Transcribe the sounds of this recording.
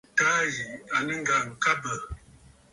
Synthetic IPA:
taː˦ji˨a˨nə˦ŋ̩˦ɡa˨ŋ̩˨ka˦bə˨

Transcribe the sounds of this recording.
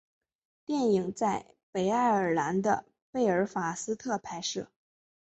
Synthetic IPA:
t̪jɛ˥˩ni˨˩ŋt͡sa˥˩ɪ | pe˨˩ɪa˥˩ɪə˞˨˩la˧˥nd̪ə˧ | pe˥˩ɪə˞˧˥fa˨˩sɹ̩˥t̪ʰɤ˥˩pʰa˧˥ɪʂɻ̩˥˩

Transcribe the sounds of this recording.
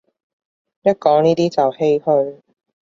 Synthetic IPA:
jɐ˥t̚kɔː˨˥ŋniː˥t̪iː˥t͡sɐ˨whe˥jhɵ˧ɥ

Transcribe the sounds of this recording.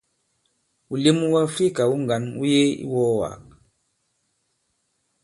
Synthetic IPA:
u˨li˦mu˦wa˦fi˦˨ka˨u˦ŋ˨ɡa˨nṵ˦je˦ḭ˦wɔː˦wa̰˨k̚

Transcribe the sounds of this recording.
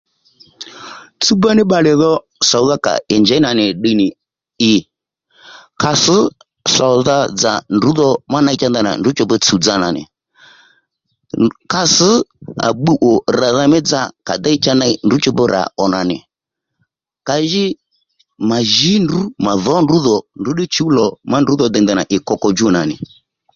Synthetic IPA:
t͡su˦ba˦nɪ˦ɓa˧lɛ˨ðɔ˦ | sɔ˨˦ða˦ka̰˨ɪ˨ɲd͡ʒɛ˨˦na˨nɪ˨ɗi˧nɪ˨ | ɪ˨ | ka˧sɨ˨˦ | sa˨ða˦d͡za̰˨ndu˨˦ðɔ˧ma˦na˧i˦t͡ʃa˧nda˦˨na̰˨ndu˦t͡ʃɔ˧bɔ˧t͡su˨d͡za˧na̰˨nɪ̰˨ | ka˧sə˨˦a̰˨ɓu˦ʔɔ˨ɾa˨ða˧mɛ˦d͡za˧ka˨d̪a˦t͡ʃa˧na˧˦n˨u˨˦t͡ʃɔ˧bɛ˧ɾʔa̰˨ʔɔ˨na˨nɪ̰˨ | ka˧ʒɪ˦ | ma˨ʒi˨˦ndu˨˦ma˨ðɔ˨˦nru˨˦ðɔ˨ndu˨˦ɗɪ˦t͡ʃu˨˦lɔ˨ma˦ndu˨˦ðɔ˧d̪ɛ˧nd̪a˨na̰˨ʔɪ˨kɔ˧kɔ˧d͡ʒu˦na˨nɪ̰˨

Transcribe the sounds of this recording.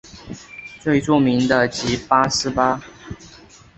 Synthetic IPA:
t͡swe˥˧ɪʈ͡ʂu˥˨˩mi˨˦ŋd̪ə˨t͡ɕi˨˥pa˦sɹ̩˥˧pa˦

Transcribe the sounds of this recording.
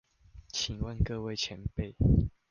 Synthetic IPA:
t͡ɕʰi˨˩nwə˥˨nkɤ˥˧we˥˨ɪt͡ɕʰjɛ˨˧˦npe˥˨ɪ

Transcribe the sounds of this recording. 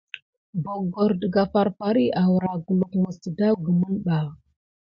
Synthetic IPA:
bo˨ɡo˨ɾdə˨ɡa˨fa˨ɾfa˨ɾi˦ʔa˨wɾa˨ɡu˨lu˨kmə˨stə˨da˦wɡə˨mə˦nɓa˨

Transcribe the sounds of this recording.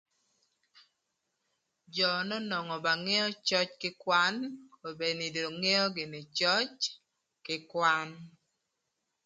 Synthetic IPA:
d͡ʒɔ˨nɔ˦nɔ˨ŋɔ˨ba˨ŋe˦ɔ˦t͡ʃɔ˦t͡ʃkɪ˦kwa˦no˨be˨nɪ˨do˨ŋe˦ɔ˦ɡɪ˨ne˨t͡ʃɔ˦t͡ʃ | kɪ˦kwa˦n

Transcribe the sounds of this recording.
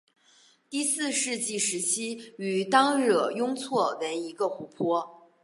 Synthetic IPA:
t̪i˥˧sɹ̩˥˧ʂɻ̩˥˧t͡ɕi˥˩ʂɻ̩˧˥t͡ɕʰi˥y˨˩t̪ɑ˥ŋɻɤ˨˩jʊ˥ŋt͡sʰwɔ˥˩lə˧˥ni˧˥ɡə˧xu˧˥pʰwɔ˥

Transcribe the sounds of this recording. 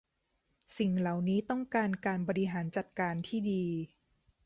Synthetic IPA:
si˨˩ŋla˨˩wniː˦˥t̪ɔ˥˩ŋkaː˧nkaː˧nbɔː˧ɾi˧ɦaː˩˦nt͡ɕa˨˩t̪̚kaː˧nt̪ʰiː˥˩diː˧

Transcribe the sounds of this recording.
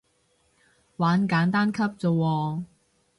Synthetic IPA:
waː˨˥nkaː˨˥nt̪aː˥nkʰɐ˥p̚t͡so˨wɔː˧

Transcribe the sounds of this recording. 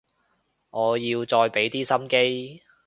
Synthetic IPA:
ŋɔː˨˧jiː˧wt͡ʃɔː˧jpe˨˥jt̪iː˥sɐ˥mke˥j

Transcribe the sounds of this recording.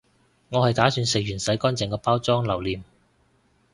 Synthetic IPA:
ŋɔː˨˧hɐ˨jt̪aː˨˥syː˨˧nsɪ˨k̚jɥyː˨˩nsɐ˨˥jkɔː˥nt͡sɛ˨˩ŋkɔː˧paː˥wt͡sɔː˥ŋlɐ˨˩wliː˨˩m

